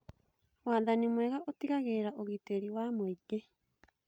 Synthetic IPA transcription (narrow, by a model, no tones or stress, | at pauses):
waðanimweɣaʔotiɣaɣeːɾaʔoɣiteɾiwaːmoiɡe